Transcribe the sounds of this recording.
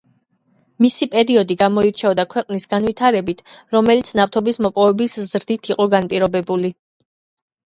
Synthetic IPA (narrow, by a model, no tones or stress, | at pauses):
misipʼɛɾiɔd̪iɡamɔiɾt͡ʃʰɛɔd̪akʰwɛqʼnisɡanvwit̪ʰaɾɛbit̪ʰɾɔmɛlit̪sʰnavt̪ʰɔbismɔpʼɔvɛbiszɾd̪it̪ʰiqʼɔɡanpʼiɾɔbɛbuli